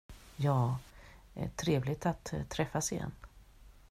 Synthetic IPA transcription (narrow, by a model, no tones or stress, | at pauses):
jɑː | ɛ̰ʈʰɾeːvlɪt̪at̪ʰːɾɛfːasɪjɛ̰nː